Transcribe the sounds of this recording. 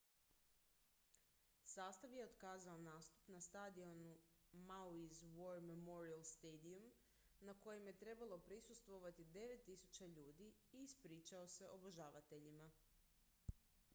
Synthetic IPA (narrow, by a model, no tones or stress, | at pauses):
saːst̪aʋje̞od̪kaːzaonaːst̪u̥pnast̪ad̪ionumawizʋo̞ɾmemo̞ɾialˠst̪ejd̪ium | nako̞jemje̞t̪ɾe̞balo̞pɾisust̪ʋo̞ʋat̪id̪e̞ʋe̞t̪ːisut͡ɕaʎuːd̪iiːspɾiːt͡ʃao̞se̞ʔo̞boʒaːʋat̪e̞ʎima